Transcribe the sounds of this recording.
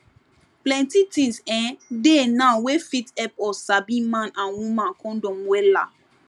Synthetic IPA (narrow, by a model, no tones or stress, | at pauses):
plɛ̃ntitĩnsɛ̃denãwefitɛpɔsabĩmãnãnwũmãnkʰɔ̃ndɔ̃mwɛla̰